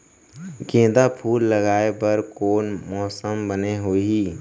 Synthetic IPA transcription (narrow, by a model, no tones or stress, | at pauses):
ɡẽːd̪apʰuːlːəɡaːebəɾkoːnmɔːsəmbəneɦoːɦiː